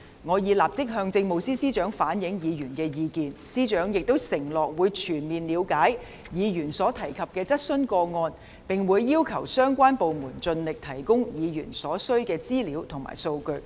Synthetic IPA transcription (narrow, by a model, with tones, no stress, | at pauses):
ŋɔː˨˧jiː˨˧laː˨˩p̚t͡sɪ˥k̚ɦœː˧ŋt͡sɪ˧ŋmo˨wsiː˥siː˥t͡ʃœː˨˥ŋfaː˨˥njɪ˨˥ŋjiː˨˧jyː˨˩nkɛː˧jiː˨˧kiː˨˧nsiː˥t͡ʃœː˨˥ŋjɪ˨k̚t̪wsɪ˨˩ŋlɔː˨k̚wuː˨˧jt͡ʃʰyː˨˩nmiː˨nli˨˧wkaː˨˥j | jiː˨˧jyː˨˩nsɔː˨˥t̪ʰɐ˨˩jkʰɐ˨p̚kɛː˧t͡sɐ˥t̚sɵ˥nkɔː˧ŋɔː˧n | pɪ˨ŋwuː˨˧jːiː˥wkʰɐ˨˩wsœː˥ŋkʷaː˥npo˨wmuː˨˩nt͡sɵ˧nlɪ˨k̚t̪ʰɐ˨˩jkʊ˥ŋjiː˨˧jy̰ː˨˩nsɔː˨˥sɵ˥ɥkɛː˧t͡siː˥liː˨˥wt̪ʰʊ˨˩ŋma̰ː˨˩jso˧wkɵ˧ɥ